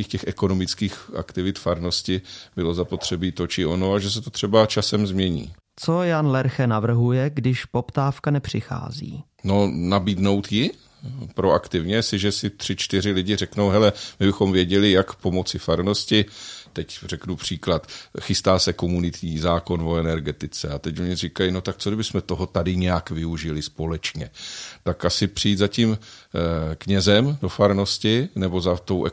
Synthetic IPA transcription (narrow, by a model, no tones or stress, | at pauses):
iːxcɛxɛko̞no̞mɪt͡skiːxʔa̰kt̪ɪvɪt̪faɾno̞scɪbɪlo̞zapo̞t̪r̝̥ɛbiːt̪o̞t͡ʃɪʔo̞no̞aʒɛs̬ɛt̪ot̪r̥ɛbat͡ʃasɛmzmɲɛɲḭː | t͡sojanlɛɾxɛnavr̩ɦujɛɡdɪʃpopt̪aːfkanɛpr̝̥ɪxa̰ːzḭː | no̞nabiːdno̞wt̪jɪ | pɾo̞akt̪ɪvɲɛsɪʒɛsɪt̪r̥ɪt͡ʃt̪ɪr̝ɪlɪɟɪrɛknowɦɛlɛmɪbɪxo̞mvjɛɟɛlɪjakpo̞mo̞t͡sɪfaɾno̞scɪt̪ɛcrɛknupr̝̥iːklat̪xɪst̪aːsɛko̞munɪt̪ɲiːzaːko̞nvo̞ɛnɛɾɡɛt̪ɪt͡sɛat̪ɛcoɲɪrɪkajino̞t̪ak̚t͡sodɪbɪsmɛt̪o̞ɦo̞t̪adɪɲɛjakvɪuʒɪlɪspo̞lɛt͡ʃɲɛt̪akasɪpr̝ɪjiːt̪zacim | kɲɛzɛmdo̞faɾno̞scɪnɛbo̞zat̪owʔɛ